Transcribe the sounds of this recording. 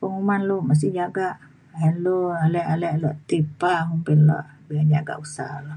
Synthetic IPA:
pəŋumanlomas̬ihd͡ʒaɡaʔ | ɛnloalɛʔalɛʔluaʔt̪ipamumpɪnlɔ̰ʔbiland͡ʒaɡa̰ʔusa̰lo

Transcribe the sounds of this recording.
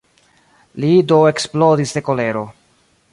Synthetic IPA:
lidoe̞ksplodisde̞ko̞le̞ɾo̞

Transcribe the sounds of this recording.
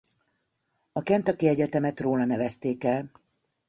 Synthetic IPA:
ɒkɛnt̪ɒkiɛɟɛt̪ɛmɛt̪roːlɒnɛvɛst̪eːkɛl

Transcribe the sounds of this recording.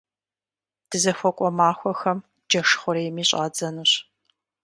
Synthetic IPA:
d̥ɨzɐxʷɔkʷʼɔmaːxʷɔxɐm | d͡ʒɐʂχʷʊɾɐjmiːɕʼaːd͡zɐnuɕ

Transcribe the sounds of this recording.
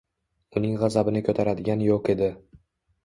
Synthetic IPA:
ʊnɪŋʁɑzabɪnɪkʲʰɵt̪ʰaɾad̪ɪɡʲanjoqe̞d̪ɪ

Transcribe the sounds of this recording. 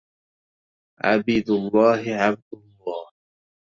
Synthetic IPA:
ʕa̰biːd̪ʊlˤːɑːɦɪʕab̚d̪ʊlˤːɑːh

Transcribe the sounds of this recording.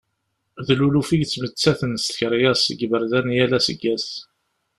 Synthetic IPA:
ðlulufiʝt͡sːmət͡sːæθənst̪çɾjæsə̰ɡbəɾðænjælæsə̰ɡːæs

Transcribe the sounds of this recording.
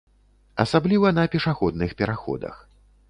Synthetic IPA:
ɐsablʲivɐnɐpʲɛʂaxɔd̪̚nɨxpʲɛɾaxɔ̰d̪ɐ̰x

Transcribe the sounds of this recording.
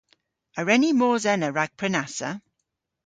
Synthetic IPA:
əɹɛnimɔːzɛnəɹaɡ̥̚pʰɹɛnasə̰

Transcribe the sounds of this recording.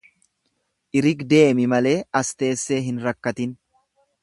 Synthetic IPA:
ʔɪɾɪɡd̪e̞ːmɪmɐle̞ːɐst̪e̞ːsːeːɦɪnɾɐkːɐt̪ɪn

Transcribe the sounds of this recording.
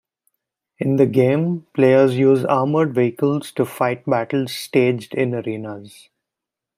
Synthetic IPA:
ɪ̃nd̪əɡẽːmpleːəɾzjuːzaːɾməɖʋeːɪkəlz̥ʈufaɪʈ̚bæʈəlz̥sʈeːd͡ʒɖɪ̃nəɾĩːnaz

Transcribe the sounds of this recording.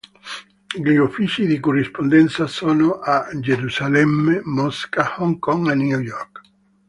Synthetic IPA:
ɡiofit͡ʃiðikurispond̪ɛnt̪sasonoʔad͡ʒeɾusalɛmːemɔskahɔŋkɔŋenujɔɾk

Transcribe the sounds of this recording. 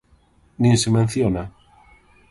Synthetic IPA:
nĩnsemẽn̟θjona

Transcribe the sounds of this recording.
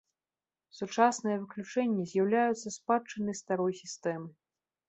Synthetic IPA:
sut͡ʂasnɨjɐvɨklʲut͡ʂɛnʲːizʲjawlʲajut̪sːɐspat͡ʂɨnɨst̪aɾɔjsʲist̪ɛmɨ

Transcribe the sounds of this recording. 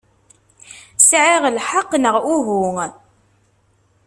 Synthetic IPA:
sʕiʁlħaqːnəʁuɦʊŋ

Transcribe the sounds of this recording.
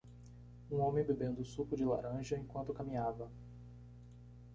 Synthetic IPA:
ũõmẽj̃bebẽnd̪ʊsukʊd͡ʒɪla̰ɾɐ̃ʒɐẽkwɐ̃nt̪ʊkamĩɲavɐ

